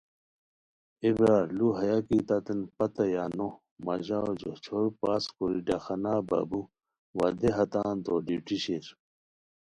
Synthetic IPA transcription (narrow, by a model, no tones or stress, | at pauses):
ibɾaːɾluɦɐjakit̪ɐt̪enpɐt̪ɐjano | mɐʑaod͡ʑot͡ɕʰoɾpaːskoɾiɖaxɐnaːba̰bu | wɐd̪eɦɐt̪aːnt̪oːɖiʈiɕeɾ